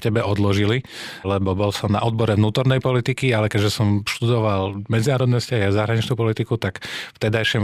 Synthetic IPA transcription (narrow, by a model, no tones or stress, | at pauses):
cɛbɛʔɔd̪lɔʒililɛbɔbɔlsɔmna̰ʔɔd̪̚bɔɾɛvnuːt̪ɔɾnɛjpɔlit̪ikialɛkɛɟʒɛsɔmʃt̪ud̪ɔʋalmɛd͡zinaːɾɔd̪nɛscaɦazaɦɾaɲit͡ʃnuːpɔlit̪ikut̪akft̪ɛd̪ajʃim